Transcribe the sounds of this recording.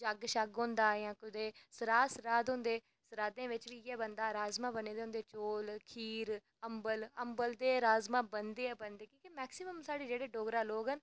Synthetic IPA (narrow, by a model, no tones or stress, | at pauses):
d͡ʒəɡʃəɡɦõːnd̪aːjãːkʊd̪eːsəɾaːsəɾaːd̪ɦʊ̃ːnd̪eː | səɾaːd̪ẽːʋɪt͡ʃʋiːjɛːbənd̪aːɾaːzmãːbəneːd̪eːɦʊ̃nd̪eːt͡ʃoːlkʰiːɾ | əmbələmbəld̪eːɾaːzmãːbənd̪eːɛːbənd̪eːkĩːkimɛːksɪməmsaːɖeːd͡ʒeːɽeːɖoːɡɾaːloːɡɦən